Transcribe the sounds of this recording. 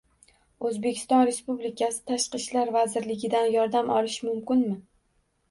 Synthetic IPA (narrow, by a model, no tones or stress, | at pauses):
ɵzbe̞kʲʰɪ̥st̪ɒnɾe̞spublɪkʲʰasɪ̥t̪ʰaʃqɨʃlaɾvazɪɾlɪɡʲɪd̪anjɒɾd̪amʔɒlˠɪʃmʊmkʲɪnmɪ